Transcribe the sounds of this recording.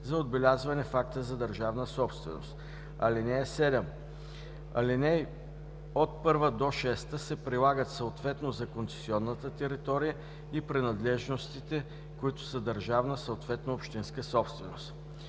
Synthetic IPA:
zɐod̪bɛlʲazvɐnɛfak̚t̪əzɐd̪əɾʒavnəsɔpst̪vɛ̰no̰st̪ | ɐ̰linɛjɛsɛd̪ɛm | ɐ̰linɛj | ot̪̚pɤɾvəd̪oʃɛst̪əsɛpɾilˠaɡət̪sɐot̪vɛt̪nozɐkonsɛ̥siɔnːət̪ət̪ɛɾit̪ɔɾijə | ipɾinɐd̪lɛʒnost̪it̪ɛ | kʊit̪ʊ̥səd̪əɾʒavnəsəot̪vɛt̪noːpʃt̪inskəsɔpst̪vɛnost̪

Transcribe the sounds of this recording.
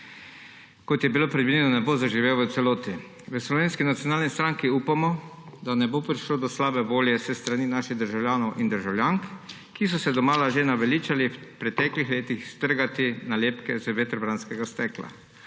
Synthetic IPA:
kɔt̪jɛbilopɾɛd̪ʋilʲjɛnɔnɛbozaʒiʋewʋət̪sɛloːt̪i | ʋəslɔʋeːnskinat̪sijonaːlnist̪ɾaŋkiuːpamɔ | d̪anɛbopɾiʃlod̪ɔslaːbɛʋoːljɛsɛst̪ɾaninaʃiɣd̪əɾʒawlʲjaːnɔwʔind̪əɾʒawlʲjaːŋk | kis̬ɔsɛd̪ɔmaːlaʒenaʋɛliːt͡ʃalipɾɛt̪ɛklixleːt̪ixst̪əɾɡat̪inaljeːpkɛzəʋet̪ɾɔbɾanskɛɡast̪ɛkla̰

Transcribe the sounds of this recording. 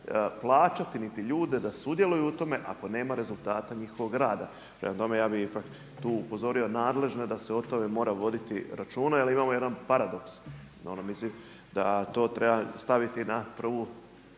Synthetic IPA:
plˠaːt͡ʃat̪init̪iʎuːd̪e̞d̪asud̪je̞lˠujuut̪o̞me̞ʔa̰ko̞ne̞ːmaɾe̞zulˠt̪aːt̪aɲixoʋo̞ɡɾaːd̪a | pɾemat̪o̞me̞jaːbiipak | t̪uːupo̞zo̞ɾio̞naːd̪le̞ʒnod̪ase̞ot̪o̞me̞mo̞ːɾaʋo̞d̪it̪ḭɾat͡ʃuːnaalimaːmo̞je̞d̪anpaɾad̪o̞ks | onomislim | d̪at̪o̞ːt̪ɾe̞bast̪aʋit̪inapr̩ʋu

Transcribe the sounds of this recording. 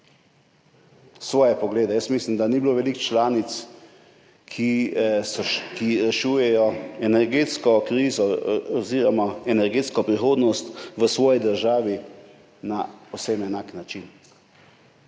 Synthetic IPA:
sʋɔːjɛpɔɡleːd̪ɛjəsmislimd̪anibiloːʋɛlikt͡ʃlaːnit̪s | kʰi | kiɾɛʃuːjɛjɔɛnɛɾɡeːt̪skɔkɾiːzɔɔziɾɔmaɛnɛɾɡeːt̪skɔpɾixoːd̪nɔst̪ʋəsʋɔːjid̪əɾʒaːʋi | napowsemɛnaːknat͡ʃin

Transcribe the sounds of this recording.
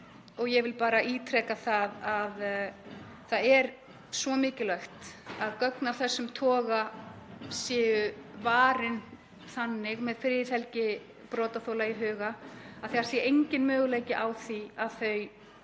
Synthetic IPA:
ɔɣjɛvɪlpaːɾaiːt̪ʰɾɛːkaθaðað | θaðɛɾ | svɔmɪːcɪlœɥxt̪aðkœknaɾ̥θɛsːʏmt̪ʰɔːɣa | sjɛːʏvaːɾɪn | θanːɪɣmɛðfɪɾjɪθɛlcɪ | pɾɔːt̪aθowlaiɦʏːɣaaðθiaɾsjɛejɲcɪnmʏːɣleːjcɪʔawθiaðθœɥ

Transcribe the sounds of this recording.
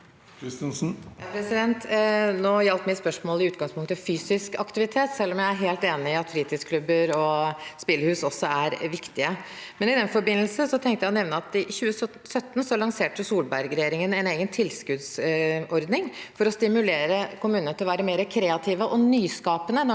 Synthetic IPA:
s̩pʰɾɛsɪd̪ɛnt̪noːjɛlt̪mɪspœʂmoːlɪʉːt̪ɡɑŋspʰʊŋkt̪əfyːsɪskɑ̰kt̪ɪʋɪt̪ʰeːt̪sɛlːɔmjæɪæɾɦeːlt̪eːnɪɪɑt̪fɾiːt̪ʰɪskʰlʉbəɾɔspɪlːəhʉːsɔsːɔæɾʋɪkt̪ɪəmɛnɪd̪ɛnfɔɾbɪnːəlsəsɔt̪ʰɛŋkt̪əjænɛʋnəɑt̪ɪçʉːəs | sœt̪ːnsɔɑɭɑŋseːʈəsuːlbæɾɡɾɛjeːɾɪŋənɛɪneːɡənt̪ʰɪlskʉd̪sɔɾd̪nɪŋfɔɾɔst̪ɪmʉleːɾəkʰʊmʉːnənət̪ɪlɔʋæːɾəmeːɾəkʰɾeːɑt̪ʰiːʋəʔɔnyːskɑːpənənɔ

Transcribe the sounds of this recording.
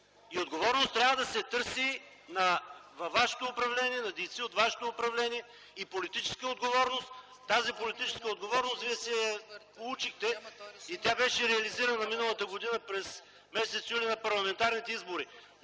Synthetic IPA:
iod̪ɡovɔɾnost̪ɾʲavəd̪ɐsɛt̪ɤɾsi | nɐvvaʃɛ̥t̪oːpɾɐvlɛniɛnɐd̪ɛjt̪siot̪vaʃɛ̥t̪oːpɾɐvlɛniɛ | ipolit̪it͡ʃɛ̥skəod̪ɡovɔɾnost̪ː | azipolit̪it͡ʃɛ̥skəod̪ɡovɔɾnost̪viɛsɛpolˠut͡ʃixt̪ɛit̪ʲjabɛʃɛɾɛɐliziɾənnɐminəlˠət̪əɡod̪inəpɾɛs | mɛsɛt̪sjulʲinɐpɐɾlˠɐmɛnt̪aɾnit̪ɛizboɾi

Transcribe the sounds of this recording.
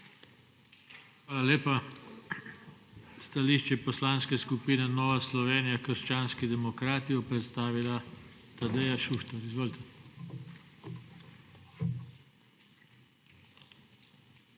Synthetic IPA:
xʋaːlaleːpa | st̪aliʃt͡ʃɛpɔslaːnskɛskupiːnɛnɔːʋaslɔʋeːnijakəɾʃt͡ʃaːnskid̪ɛmɔkɾaːt̪ijɔpɾɛt̪st̪aːʋilat̪ad̪ɛjaʃuʃt̪ɛɾizʋoːlit̪ɛ

